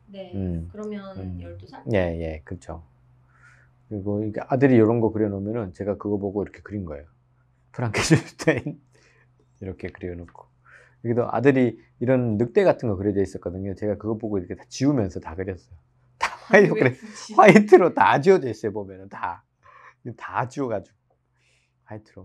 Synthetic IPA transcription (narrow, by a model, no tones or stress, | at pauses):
nɯmjʌ | je̞je̞kɯt͡ɕʰo | kɯɾiɡoiɡeʔadɯɾijʌɾʌnɡʌkɯɾjʌnomjʌnɯnt͡ɕe̞ɡakɯɡʌboɡoiɾʌkʰe̞̥kɯɾinɡʌe̞̰jo | pʰɯɾaŋkʰeɕisu̥tʰein | iɾʌkʰe̞kɯɾiʌnokʰo̥ | iɡedoʔa̰dɯɾiː | ɾʌnːɯk̚t͈e̞ɡatʰɯnɡʌkɯɾʌdeis͈ʌt̚k͈ʌdɯɲot͡ɕe̞ɡakɯɡʌboɡoiɾʌkʰe̞tḁt͡ɕiumjʌnsʰʌtakɯɾjʌs͈ʌjo | tḁwaitʰoɯɾeɸwaitʰɯɾotad͡ʑiʌdeɕʰiebomjʌnɯnta | etad͡ʑiʌɡad͡ʑuɡo | ɸwaitʰɯɾo